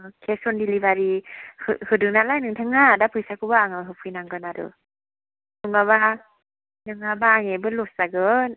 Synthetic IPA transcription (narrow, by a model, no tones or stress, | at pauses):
kʰesɔndilibaɾihɯ̰hɯdɯŋnatlajnɯŋtʰaŋadapʰɯjsakubaaŋaɦɯpʰɯjnaŋɡɯnadɯ̰ | nɯŋaβa | nɯŋabaːŋebɯloszaɡɯn